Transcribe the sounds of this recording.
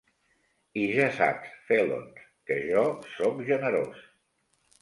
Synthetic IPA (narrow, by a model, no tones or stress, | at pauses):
iʒasa̰psfelo̰ns | kəʒɔsokʒənəɾos